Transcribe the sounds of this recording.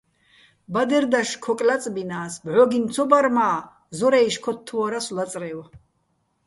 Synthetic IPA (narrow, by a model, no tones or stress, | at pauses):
bad̪ɛrd̪aʃkʰɔkʼlat͡sʼbinaːsbʕɔɡint͡sʰɔbaɾmaː | zɔɾaiʃkʰɔt̪ʰːuwaɾaslat͡sʼrɛw